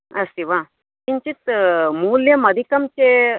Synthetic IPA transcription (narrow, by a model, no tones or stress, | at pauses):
ɐst̪iʋa | t̪iɲt͡ɕit͡s̪muːljɐmɐd̪ʱikɐmt͡ɕe